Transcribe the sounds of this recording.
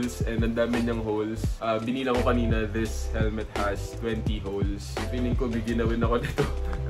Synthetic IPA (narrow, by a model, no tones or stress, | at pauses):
lsɛnd̪ɐnd̪aːmɪɲɐŋɦowlsʔaːbɪniːlɐkokɐniːnɐðɪshɛlmɛt̪̚hɐst̪wɛnt̪iɦowlspilɪŋkobɪɡjɐnɐwɪnɐkod̪it̪o